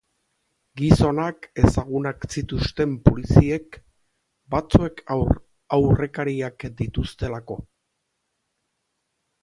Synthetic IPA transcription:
ɡiso̞nake̞saɣ̞unaksit̪ust̪e̞mpolisie̞k | bat͡sue̞kʰ | awre̞kaɾiakd̪it̪ust̪e̞lako̞

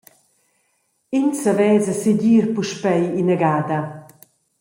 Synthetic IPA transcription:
insavɛːzaseɟiːɾpuʃpɛjinəɡaːd̪ɐ

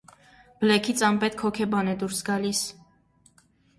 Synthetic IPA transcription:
b̥əlɛkʰit͡sʰɑmpɛt̪̚kʰɔkʰɛbɑnɛd̪uɾsɡɑlis

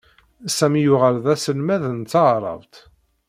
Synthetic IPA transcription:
sæmjʊʁəlðæsəlmæðnt̪t͡sːəʕɾˤə̰vt̪

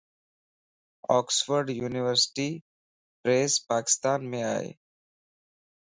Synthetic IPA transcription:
ɔːksʋəɾɖjuːniʋəɾsɪ̥ʈi | pɾeːspaːkɪ̥st̪aːnmẽa̰ːḛ

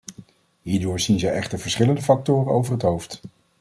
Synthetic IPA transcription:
ɦiːɹdʊːɹzinzəjɛχtəɹvəɹsχɪləndəfɑk̚tʊːrənowvərɦətɦowft

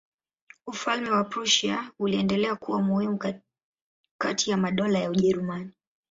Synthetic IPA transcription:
ufalmɛwapɾuʃiauliɛndɛlɛakuwamuhimu | katʰijamaɗɔlajauʄɛɾumani

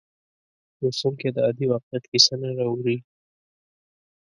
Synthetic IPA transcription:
usuŋked̪əad̪iwɑqjat̪kisənaɾawɾi

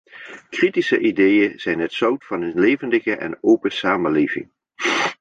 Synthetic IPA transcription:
kritisə̰ʔidejəz̥ɛjnɦətsɑwtfɑnənlejvəndəɣəʔɛ̰nowpəsaːməlejvɪ̰ŋ

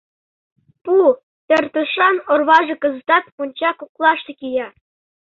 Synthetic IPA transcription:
pu | t̪ʲɘ̆rʲt̪ɤ̆ʂɑnŏrβɑʐɤ̆kɤ̆zɤ̆t̪ɑt̪punʲt͡ɕɑkuklˠɑʂt̪ɤ̆kʲijɑ

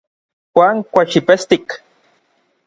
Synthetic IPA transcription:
xʷaːŋkʷaʃipest̪ik

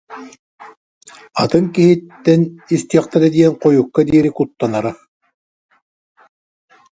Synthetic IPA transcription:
at̪ɯŋkiɦit̪ːɛnist̪iɛχt̪ɛɾɛd̪iɛnqɔjukːad̪iːɾikut̪ːanaɾa

